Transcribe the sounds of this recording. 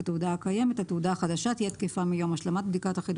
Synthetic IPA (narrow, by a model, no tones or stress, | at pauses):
teudahakaje̞me̞thateudaaχad̪aʃathijɛt̪kefamijo̞maʃlamat̚bd̪ikataχid̪